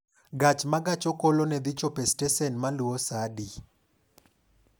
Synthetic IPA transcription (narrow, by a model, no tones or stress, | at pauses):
ɡat͡ʃmaɡat͡ʃɔkolonɛd̪it͡ʃopɛstɛsɛnmaluosadi